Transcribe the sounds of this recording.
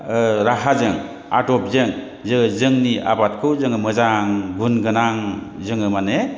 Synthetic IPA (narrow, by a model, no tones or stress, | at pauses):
ɾaɦazɯŋ | a̰dɔp̚zɯŋ | zɯzɯŋniʔa̰bat̚kʰɯwzɯŋɯmɯzaŋbunɡɯnaŋzɯŋɯmane